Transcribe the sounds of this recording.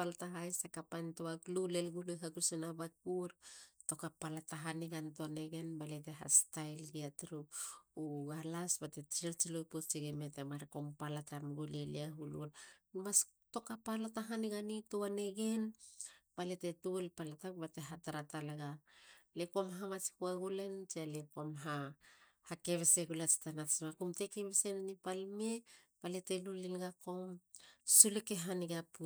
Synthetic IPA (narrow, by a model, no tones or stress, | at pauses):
paltaɦajsakapantoaklulelɡulojɦaɡusenabak̚uɾto̞kapalataɦaniɡantoaneɡe̞nbalete̞ɦa̰stajlɡiatɾup̚uɡalasbate̞t͡ʃiɾt͡ʃilojpot͡ʃiɡemetemaɾeko̞mpalatamɡuleliaɦululmas | to̞kapalataɦaniɡanitoane̞ɡe̞npaletetulpalatakbateɦataɾatalaɡalekomɦamat͡ʃi̥kuaɡulent͡ʃialekomɦa | hakeβeseɡulat͡ʃi̥tanasmakumte̞keβesenanipalmepaletelulinɡakomsulekeɦaniɡapu